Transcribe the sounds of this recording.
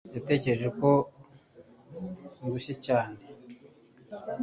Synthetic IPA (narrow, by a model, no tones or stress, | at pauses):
jate̞ːce̞ɾeʒeko̞ | ŋɡuʃecaːne̞